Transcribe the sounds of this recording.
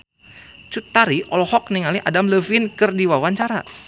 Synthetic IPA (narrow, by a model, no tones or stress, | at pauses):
t͡ʃut̪aɾiʔɔlɔhɔk̚niŋaliʔadamləvinkɨrdiwawaɲt͡ʃaɾa